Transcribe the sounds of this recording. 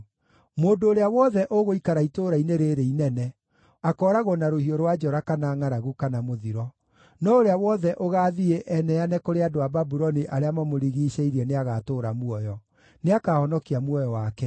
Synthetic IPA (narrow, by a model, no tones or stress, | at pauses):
moːndoːɾeawɔðɛʔoɣoikaɾaitoːɾaineɾeɾeinɛnɛ | akɔːɾaɣonaɾohioɾwad͡ʒɔɾakanaːŋaɾaɣukanamoðiɾɔ | nɔoɾeawɔðɛʔoɣaːðieʔɛnɛjanɛkoɾeadoababuɾɔniʔaɾeamamoɾiɣiːɕeiɾɛneaɣatoːɾamuɔjɔ | neakahɔnɔkiamwɔjɔwakɛ